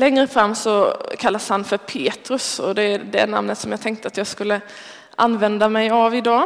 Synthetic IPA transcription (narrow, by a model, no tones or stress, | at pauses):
lɛŋɾəfɾamːsɔkʰalːashanfœɾpʰeːt̪ɾɵsɔd̪ɛd̪ɛ̰na̰mnət̪sɔmjɑːɡ̚t̪ʰɛŋk̚t̪əat̪jɑːɡskɵlːə | ʔanːvɛnd̪amɛjavɪd̪ɑː